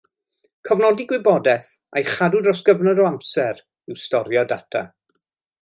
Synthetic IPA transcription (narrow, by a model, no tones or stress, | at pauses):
kʰɔvnɔdiɡwɪbɔdɛθ | ajχadʊdrɔsɡ̥əvnɔdɔamsɛɾ | ɪwstɔɾjɔda̰tʰa̰